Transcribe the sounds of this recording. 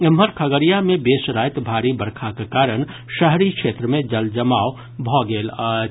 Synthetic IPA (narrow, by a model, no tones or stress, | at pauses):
ɪmɦəɾkʰəɡəɾijamẽbeːsɾaːjt̪bʱaːɾibəɾkʰakekaːɾəɽ̃ | ʃəɦɾikʃeːt̪ɾəmẽd͡ʒəld͡ʒəmaːo | bʱɔːɡeːla